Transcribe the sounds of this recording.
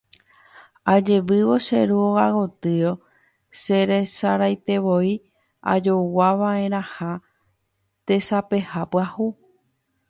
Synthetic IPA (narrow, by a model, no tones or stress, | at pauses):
ad͡ʒe̞ʋɨʋo̞ʃeɾuoɣaɣo̞t̪ɨo̞ | se̞ɾesaɾajt̪e̞ʋo̞i | a̰d͡ʒowaʋãẽ̞ɾ̃ãha | t̪e̞sape̞hapɨahu